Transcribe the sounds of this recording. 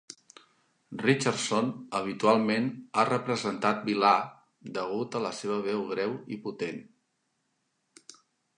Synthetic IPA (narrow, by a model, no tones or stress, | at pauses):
rit͡ʃəɾsonəβ̞it̪ualˠmenarəpɾəzənt̪at̪̚bila | d̪əɣ̞ut̪ələseβəβɛwɣɾɛwḭput̪en